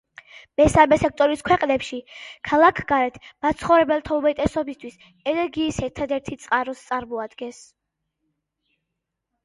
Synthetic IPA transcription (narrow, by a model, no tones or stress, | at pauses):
mɛsamɛsɛk̚ʰt̪ʼɔɾiskʰwɛqʼnɛpʃikʰalˠakʰɡaɾɛt̪ʰmat̪sʰχɔvɾɛbɛlˠt̪ʰaumɛt̪ʼɛsɔbist̪ʰwis | ɛnɛɾɡiːsɛɾt̪ʰad̪ɛɾt̪ʰit̪sʼqʼaɾɔst̪sʼaɾmɔad̪ɡɛns